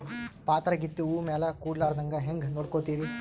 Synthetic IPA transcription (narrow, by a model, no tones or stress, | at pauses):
paːt̪ɾɐɡit̪ːuuːmeːlɐkuːɖlaːɾd̪ɐŋɡɐɦeŋɡnoːɽkoːt̪iːɾi